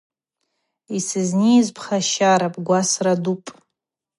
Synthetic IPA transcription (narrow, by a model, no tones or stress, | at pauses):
isɨznizpʰχaʃaɾapʼɡʷasradupʼ